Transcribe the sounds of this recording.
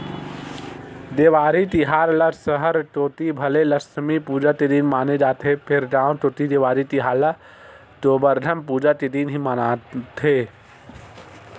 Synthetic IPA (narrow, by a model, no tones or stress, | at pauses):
d̪eːʋaːɾit̪ɪɦaːɾlasəɦəɾʈoːt̪ibʱəleləsmipuːd͡ʒat̪id̪iːnmaːned͡ʒaːt̪ɦepʰɪɾɖaːʊnʈ̪oːt̪id̪eːʋaːɾit̪iɦaːɾla | t̪oːbəɾd̪ʱəmpuːd͡ʒat̪id̪iːnɦimaːnat̪ʰe